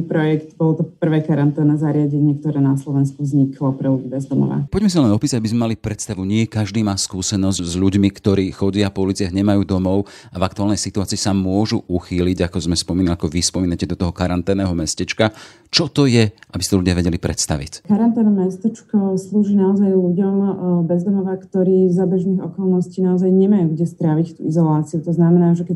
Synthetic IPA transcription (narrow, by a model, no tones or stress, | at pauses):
pɾɔjɛkt̪bɔlt̪ɔpr̩ʋɛːkaɾant̪ɛːnːɛːzaɾɪaɟɛɲɪɛk̚t̪ɔɾɛːnaslɔʋɛnskuvzɲikʰlɔpɾɛluɟibɛzd̪ɔmɔ̰ʋa̰pɔɟmɛs̬inlɛnɔpiːsaɟabizmɛmalipɾɛt̪st̪aʋuɲɪɛkaʒd̪iːmaːskuːsɛnɔzzʎuɟmikt̪ɔɾiːxɔɟɪapɔulit͡sɪaɦɲɛmajuːd̪ɔmɔʊ | avak̚t̪uaːlnɛjsit̪uaːt͡siːsamʊɔʒuʔuxiːliɟakɔzmɛspɔmiːnaakɔʋispɔmiːnacɛd̪ɔt̪ɔɦɔkaɾant̪ɛːnɛːɦɔmɛscɛt͡ʃka | t͡ʃɔt̪ɔjɛabist̪ɔlʎuɟɪaʋɛɟɛlipɾɛt̪st̪aʋḭckaɾant̪ɛːnɔmɛst̪ɛt͡ʃkɔsluːʒiːnaɔzajʎuɟɔmbɛzd̪ɔmɔʋakt̪ɔɾiːzabɛʒniːɣɔkɔlˠnɔsciːnaɔzajɲɛmajuːɡɟɛst̪ɾaʋict̪uizɔlaːt͡siut̪ɔznamɛnaːʒɛkɛ